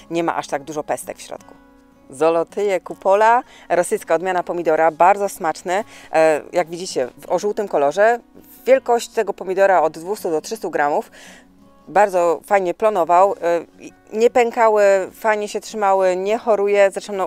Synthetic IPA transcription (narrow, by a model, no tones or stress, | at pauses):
ɲɛma̰ʔaʂt̪aɡ̚d̪uʐɔpɛst̪ɛ̰kfɕɾɔ̰t̪ku̥ | zɔlɔt̪ɘjɛkupɔla | ɾɔsɘjskaɔd̪mʲjanapɔmʲid̪ɔɾabaɾd̪ɔsmat͡ʂnɘ | jaɡvʲid͡ʑit͡ɕɛvɔʐuwt̪ɘmkɔlɔʐɛvvʲjɛlkɔɕt͡ɕt̪ɛɡɔpɔmʲid̪ɔɾaɔd̪ːvust̪ud̪ɔtʂɘst̪uɡɾamuf | baɾd̪zɔfajɲɛplɔnɔvaw | ɲɛpɛŋkawɘfajɲɛɕɛtʂɘmawɘɲɛxɔɾujɛzaʂɛmnɔ